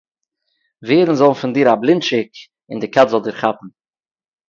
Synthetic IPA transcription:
veːɾn̩zɔlˠnfɪndiːɾablˠɪntʃɪk | ɪ̰ndɪkatzɔlˠdɪːɾχapn̩

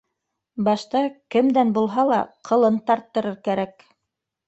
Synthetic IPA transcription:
bɑʃt̪ɑkɘmd̪ænbulˠɦɑlˠɑ̰qʰɤ̆lˠɤnt̪ɑɾt̪ːɤ̆ɾɤɾkæɾæk

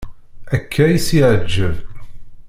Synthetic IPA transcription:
ækʰːæjisiʕəd͡ʒːəv

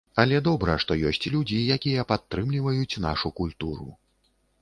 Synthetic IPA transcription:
ɐlʲɛd̪ɔbɾɐʂt̪ɔjɔsʲt͡sʲlʲud͡zʲijakʲijɐpat̪ːɾɨmlʲivɐjut͡sʲna̰ʂukulʲt̪uɾṵ

